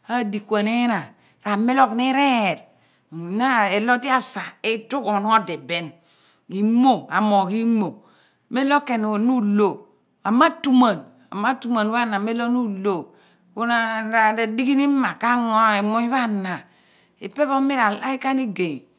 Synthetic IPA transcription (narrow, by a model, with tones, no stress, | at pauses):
a˦˨di˨kʷa˨ne˦na˨ | ɾa˨me˦lo˦kni˦ɾe˦˨ɾ | na˦e˨lo˦ti˦a˨sa˨i˦tu˦kɔ˨n˦ɔ˦de˨be˦n | i˨mo˦a˨mo˨ki˦mo˨ | me˦lo˦ke˨no˨nu˦lo˨ | a˨mːa˦tu˦ma˨n | a̰˨ma˦tu˨ma˨n˦βa˦na˨me˦lo˦nu˦lo˨ | ku˦na˦ɾa˨da˨di˦ki˦ni˦ma˨ka˦ŋo˦i˨mo˦i˦βa˦na˨ | i˨pe˦βo˦mi˦ɾa˨la˦i˦ka˦ni˦ɡe˨